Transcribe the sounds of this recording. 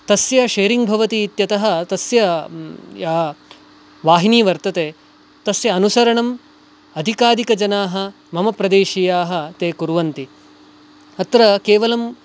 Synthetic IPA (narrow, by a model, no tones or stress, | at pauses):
t̪ɐsjɐʃeːɾiŋɡbʱɐʋɐt̪iːt̪jɐt̪ɐɦɐ̆t̪ɐsjɐ | jɐ | ʋaːɦiniːʋɐɾt̪ɐt̪eː | t̪ɐsjɐːnusɐɾɐɳɐm | ɐd̪ʱikaːd̪ʱikɐd͡ʒɐnaːɦɐ̆ | mɐmɐpɾɐd̪eːʃijaːɦɐ̆t̪eːkuɾʋɐnt̪i | ɐt̪ɾɐkeːʋɐlɐm